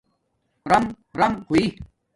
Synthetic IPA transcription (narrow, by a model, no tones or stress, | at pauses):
ɾɐm | ɾɐmkui